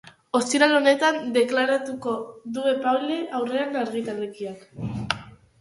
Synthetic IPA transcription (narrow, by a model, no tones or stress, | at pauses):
o̞st̪iɾalo̞ne̞t̪and̪e̞klaɾat̪uko̞ðue̞pale̞ʔawre̞anaɾɣit̪alekiak